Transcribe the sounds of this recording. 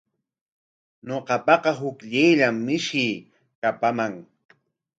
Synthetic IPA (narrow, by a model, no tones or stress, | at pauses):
ɲoqɑpɑqɑɦʊkʎɪjʎamːɪʃɪː | kapamaŋ